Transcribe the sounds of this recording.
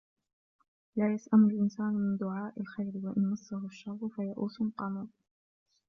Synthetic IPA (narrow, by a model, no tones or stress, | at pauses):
laːjasʔanʊlʔɪnsaːnmɪnd̪ʊʕaːʔalxajɾɪwaʔɪnːɑsˤːɑhʊʃːɑɾˤːfajaʔṵːsʊnqɑːmuː